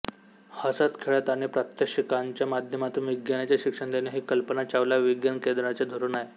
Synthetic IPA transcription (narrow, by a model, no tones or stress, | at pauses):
həsat̪kʰeɭət̪aɽ̃ipɾət̪jəkʂikaɲt͡ɕjamad̪ʱjəmat̪ũnʋiɡjanat͡ɕjaɕikʂəɳd̪eneɦiːkəlpənat͡ɕaʋlaʋiɡjankẽd̪ɾat͡ɕed̪ʱoɾuːnaje